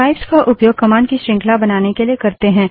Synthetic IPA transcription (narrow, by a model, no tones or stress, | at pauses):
aɪbskaʔʊpjoːɡ̚kɐmaːɳɖkiʃɾɪ̃ːŋkʰlabɐnaːnekelijekɐɾt̪eɦɛ̃ː